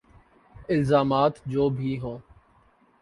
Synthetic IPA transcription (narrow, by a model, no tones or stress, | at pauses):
ɪlzaːmaːt̪d͡ʒoːbʱiːɦõː